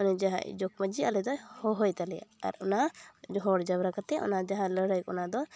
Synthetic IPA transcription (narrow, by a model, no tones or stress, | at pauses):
ɔnɛd͡ʒaɦa̰ʔd͡ʒɔk̚məd͡ʒialɛd̪ɔhɔɦɔjt̪alɛa̰ɾɔnad͡ʒɔɦɔɽd͡ʒabɾakat̪ɛʔɔ̰nad͡ʒaɦãləɽəjkɔnad̪ɔ